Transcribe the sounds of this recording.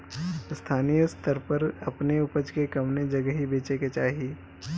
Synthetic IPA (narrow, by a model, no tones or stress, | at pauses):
st̪ʰaːnijəst̪əɾpɐɾɐpneʊpəd͡ʒkekɐmned͡ʒɐɡəɦibeːt͡ʃeket͡ʃaːɦie